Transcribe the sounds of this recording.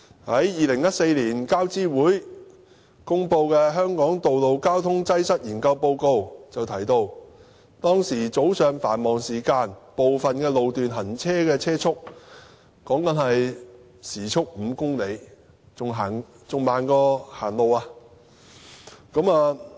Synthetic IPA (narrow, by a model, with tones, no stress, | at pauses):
hɐ˨˥jjiː˨lɪ˨˩ŋjɐ˥t̚se˧jliː˨˩nkaː˥wt͡siː˥wuː˨˥j | kʊ˥ŋpo˧wkɛː˧ɦœː˥ŋkɔː˨˥ŋt̪o˨wlo˨˧wkaː˥wt̪ʰʊ˥ŋt͡sɐ˥jsɐ˥t̚jiː˨˩nkɐ˧wpo˧wko˧wt͡sɐ˨wt̪ʰɐ˨˩jt̪o˧w | t̪ɔː˥ŋsiː˨˩t͡so˨˥wsœː˨˧ŋfaː˨˩nmɔː˨˩ŋsiː˨˩kaː˧npo˨wfɐ˨nkɛː˧lo˨wt̪yː˨nɦɐ˨˩nt͡sʰɛː˥kɛː˧t͡sʰɛː˥t͡sʰʊ˥k̚ | kɔː˨˥ŋkɐ˨˥nhɐ˨j | siː˨˩t͡ʃʰʊ˥k̚m̩ː˨˧kʊ˥ŋle˨˧j | ʊ˨ŋɦaː˨˩n | t͡sʊ˨ŋmaː˨nkɔː˧haː˨˩nlo˨waː˧ | kɐ˨˥maː˧